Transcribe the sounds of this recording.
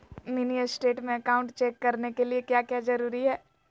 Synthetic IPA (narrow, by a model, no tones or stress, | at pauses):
miniəsʈeːʈmẽɐkaːʊ̃ɳʈt͡ʃeːkːɐɾnekeliekjaːkjaːd͡ʒɐɾuːɾiɦɛː